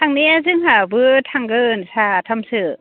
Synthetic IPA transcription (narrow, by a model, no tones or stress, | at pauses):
tʰaŋneazɯŋɦabɯtʰaŋɡɯnsatʰamsɯ